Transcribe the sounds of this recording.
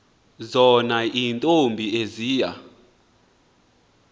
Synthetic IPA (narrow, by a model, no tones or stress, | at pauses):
zɔnaʔintʼombʱieziːja̰